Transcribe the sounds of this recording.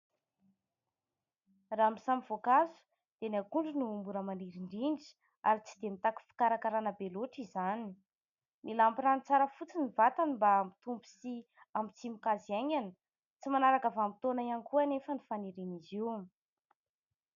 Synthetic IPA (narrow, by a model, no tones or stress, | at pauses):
raːmisamivokazu̥ | d̪̥enakuɳɖ͡ʐinuːmbuɾəmaniɾiɳɖ͡ʐiɳɖ͡ʐi̥ | a̰ɾit͡sid̪emit̪aku̥fi̥kaɾakaɾanəbeloʈ͡ʂizani | nilampiranit͡saɾəfut͡sinivat̪animbamit̪umbi̥si | amit͡simikaziaɲanə̥ | t͡simanaɾakavamit̪onajanikuanefənifaneɾeniziw